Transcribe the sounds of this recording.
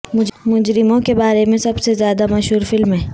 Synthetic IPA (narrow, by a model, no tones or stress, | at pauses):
mʊmʊd͡ʒɾɪmõkebaːɾemẽsɐbsezjaːd̪amɐʃɦuːɾfɪlmɦɛ̃ː